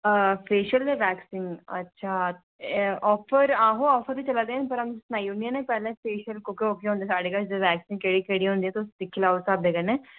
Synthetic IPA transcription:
pʰeːʃəlːʋɛːksɪ̃ŋɡə̰tːʃʰaː | ʔɔːpʰəɾãːɦõːɔːfʰəɾbiːt͡ʃəlad̪eɦɛːnpəɾəmsnaːiʊnijãneːpɛːlẽːpʰeːʃəlkokːoːkeɦõːnd̪eːsaːɽeːkad͡ʒeʋɛːksɪ̃ŋɡkeːɽiːkeːɽiːɦõnd̪iːɛːt̪eʊsd̪ɪkʰːɪlaːsaːb̚d̪eːɡənẽː

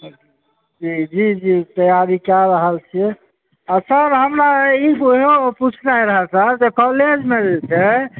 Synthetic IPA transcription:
d͡ʒid͡ʒid͡ʒit̪əjaɾikjaɾəɦəlt͡ʃʰi | asəɾɦəmɾaiɦoput͡ʃʰnaiɾəɦəsəɾt̪ekɔled͡ʒmeɾelt͡ʃʰɛ

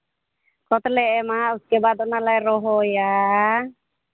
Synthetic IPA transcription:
kɔt̪lɛʔɛmauskɛbat̪ɔʔnalaiɾɔɦɔja

